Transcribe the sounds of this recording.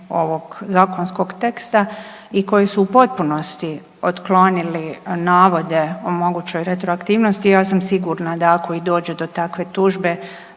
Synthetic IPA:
o̞ʋo̞ɡzaːkonsko̞ɡt̪e̞kst̪a | iko̞jisuːpo̞t̪̚puno̞st̪i | ot̪klo̞nilinaːʋo̞d̪e̞omo̞ɡuːt͡ɕo̞jɾet̪ɾoakt̪iːʋno̞st̪ijaːsamsiɡuɾnad̪akʰo̞id̪o̞ːd͡ʑed̪o̞t̪akʋe̞t̪uːʒbe̞

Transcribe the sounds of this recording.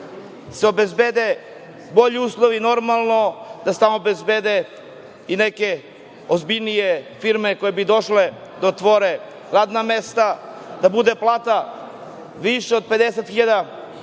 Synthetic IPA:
seo̞bezbed̪e | bo̞ʎiuːslˠoʋino̞ɾmalˠnod̪ase̥t̪amobezbed̪e | ineke | ozbiʎnijefiɾmeko̞jebid̪o̞ʃle | d̪aot̪ʋoɾe | ɾaːd̪namest̪a | d̪abud̪eplˠaːt̪a | ʋiʃeod̪̚pe̞d̪eset̪xiʎad̪a

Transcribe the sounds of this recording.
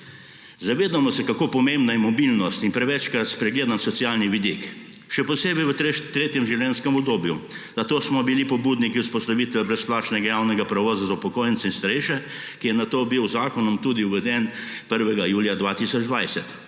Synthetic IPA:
zaʋeːd̪amɔsɛkakoːpɔmẽmbnajɛmɔbilnɔst̪inpɾɛʋɛt͡ʃkɾat̪spɾɛɡleːd̪ansɔt̪sijaːlniʋid̪ik | ʃɛpɔseːbɛjʋət̪t̪ɾeːt̪jɛmʒiwljɛnskɛmɔbd̪oːbju | zɐt̪oːsmɔbilipɔbuːd̪nikiuspɔst̪aʋiːt̪ʋɛbɾɛsplaːt͡ʃnɛɡajaːwnɛɡapɾɛʋɔːzazaupɔkoːjɛnsɛinst̪ɐɾɛʃɛ | kijɛnat̪ːoːbiwzaːkɔnɔmt̪ud̪iuʋɛd̪ɛn | pəɾʋɛɡajuːljad̪ʋaːt̪isɔd͡ʒd̪ʋajsɛt̪

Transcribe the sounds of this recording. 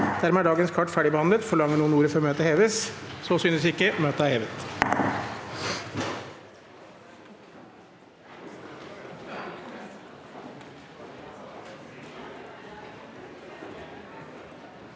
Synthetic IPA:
d̪̥æɾmɛæɖɑːɡənskʰɑʈːfæːɖɪbəhɑnlət̪fɔɭɑŋːəɳuːənuːɾəfɾɔmøːt̪əheːʋəssoːsyːnəsɪkːəmøːt̪əæheːʋət̪

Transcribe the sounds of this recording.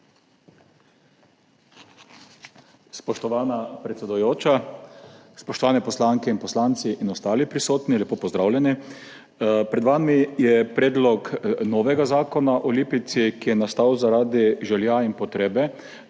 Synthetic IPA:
spɔʃt̪ɔʋaːnapɾɛt̪sɛd̪ujoːt͡ʃa | spɔʃt̪ɔʋaːnɛpɔslaŋkɛinpɔslaːnt̪siʔinɔst̪aːlipɾisoːt̪nilʲɛpoːpɔzd̪ɾaːwlʲjɛni | pɾɛd̪ʋamijɛpɾeːd̪lɔknɔːʋɛɡazaːkɔnaʔɔliːpit̪sikijɛnast̪awzaɾaːd̪iʒɛljainpɔt̪ɾeːbɛ

